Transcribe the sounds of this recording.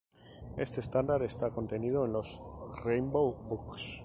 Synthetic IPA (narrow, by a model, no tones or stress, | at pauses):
e̞st̪e̞st̪and̪aɾe̞st̪ako̞nt̪e̞nið̞o̞e̞nlo̞srejmbowbuks